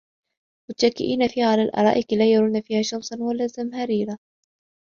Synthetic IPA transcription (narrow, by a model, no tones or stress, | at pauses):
mʊt̪ʃakːɪ̰ʔiːnafiːhaʕalaːlʔɑ̰ɾˤɑ̰ːʔɪklaːjɑɾˤuːnafiːhaːʃɑmsˤɑnwalaːzamhaɾiːɾa